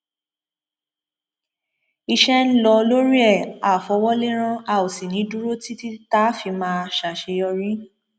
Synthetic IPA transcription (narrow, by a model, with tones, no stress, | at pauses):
i˧ʃɛ˦n̩˦lɔ˧lo˦ɾi˦ɛ˦˨a˨fɔ˨˧wɔ˦le˦ɾ̃ã˦a˧˨o˨si˨nĩ˨˦du˦ɾo˦ti˦ti˦ta˦fi˧mãː˦˧ʃa˨ʃe˧jɔ˧ɾĩ˦